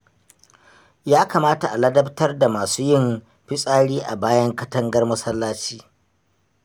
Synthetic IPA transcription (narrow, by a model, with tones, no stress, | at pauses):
jaː˦kaː˨maː˦ta˨ʔa˨lɐ˦dɐ˦ptɐ˦rda˨maː˨suː˦jɪ˦m | ɸɪ˦sʼaː˦ɽiː˦ʔa˨baː˦jɐ˦ŋkɐ˦tɐ˦ŋɡɐ˦rmʊ˦sɐ˦lːaː˦t͡ʃiː˦